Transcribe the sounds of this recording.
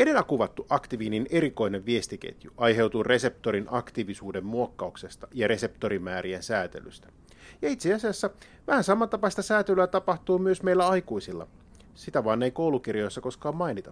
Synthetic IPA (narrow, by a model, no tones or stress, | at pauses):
ede̞lːækuʋɑt̪ːuʔɑkt̪iʋiːnine̞ɾiko̞ineʋʋie̞st̪ikḛt̪juʔɑjɦe̞wt̪uːre̞se̞p̚t̪o̞ɾinʔɑkt̪iʋisuːde̞mmuokːɑukse̞st̪ɑjɑɾe̞se̞pt̪o̞ɾimæːɾiensæːt̪e̞̰ly̰st̪æ̥ | jɑit̪seɑsiɑsːɑ | ʋæhænsɑmːɑnt̪ɑpɑst̪ɑsæːt̪elyæːt̪ɑpɑht̪uːmyøsmeilːæɑjkuisilːɑ̰ | sit̪æʋɑːneijko̞wlukirjo̞jsːɑko̞skɑːmmɑinit̪ɑ